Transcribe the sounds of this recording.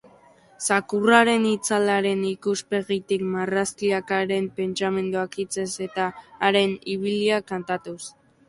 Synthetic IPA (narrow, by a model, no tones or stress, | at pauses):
sakuraɾe̞nit͡salaɾe̞nikuspe̞ɣit̪ikmaraskiakaɾe̞mpe̞nt͡same̞nd̪uakit͡se̞se̞t̪aːɾe̞niβ̞iliakant̪at̪us